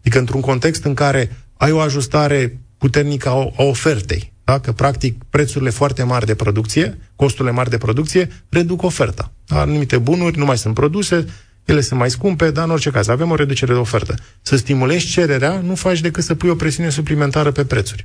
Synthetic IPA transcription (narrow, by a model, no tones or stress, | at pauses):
d̪ikəɨnt̪ɾuŋko̞nt̪e̞kst̪ɨŋkaɾe̞ajo̞aʒust̪aɾe̞put̪e̞rnikəao̞fe̞rt̪e̞̰jd̪̥akəpɾakt̪ik̚pɾe̞t̪suɾile̞foart̪e̞marʲd̪e̞pɾo̞d̪ukt̪sije̞ko̞st̪uɾile̞marʲd̪e̞pɾo̞d̪ukt̪sije̞ɾe̞d̪uko̞fe̞rt̪ad̪a̰numit̪e̞bunurʲnumajsunt̪pɾo̞d̪use̞ | je̞le̞sɨnt̪majskumpe̞d̪aɨno̞rt͡ʃe̞kazave̞mo̞ɾe̞d̪ut͡ʃe̞ɾed̪eo̞fe̞rt̪ə | səst̪imule̞ʒʲt͡ʃe̞ɾe̞ɾeanufat͡ʃd̪e̞kɨt̪səpujo̞pɾe̞siune̞s̬uplime̞nt̪aɾəpe̞pɾe̞t̪surʲ